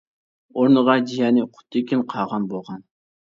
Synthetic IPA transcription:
oɾnəʁɑd͡ʒijɑːnɪqʰʊ̥t̪ʰːɪkʲinqʰɑʁɑnbolˠʁɑn

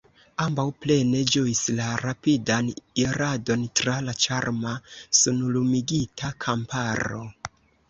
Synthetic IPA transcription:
ambawple̞ne̞d͡ʒoislaɾapidaniɾado̞ntɾalat͡ʃaɾmasunulumiɡitʰakʰampaɾo̞̰

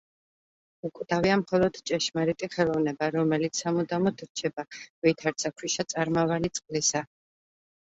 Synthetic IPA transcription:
ukʼwd̪aviamχɔlˠɔd̪̥t͡ʃʼɛʃmaɾit̪ʼiχɛlˠɔvnɛbaɾɔmɛlit̪sʰamud̪amɔt̪ʰɾt͡ʃʰɛbavit̪ʰaɾt̪sakʰwiʃat̪sʼaɾmavalit̪sʼqʼlisa

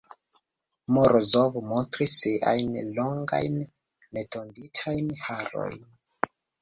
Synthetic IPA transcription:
moɾʔozovmontɾisːiʔa̰jnloŋɡa̰jnː | etʰonditʰajnhaɾo̰jn

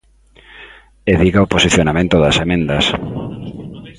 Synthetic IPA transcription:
eðiɣaoposiθjonamẽnt̪ʊðɐsemẽnd̪ɐs

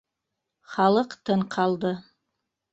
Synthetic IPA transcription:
χaləqtʰɨnqʰaldɨ

